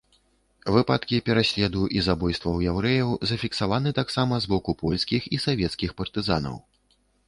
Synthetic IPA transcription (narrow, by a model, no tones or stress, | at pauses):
vɨpat̪kʲipʲɛɾasʲlʲɛd̪uʔizabɔjst̪vɐwjɛwɾɛjɐwzɐfʲiksavan̪ɨt̪aksamɐzbɔkupɔlʲskʲixisavʲɛt̪skʲixpɐrt̪ɨza̰nɐ̰w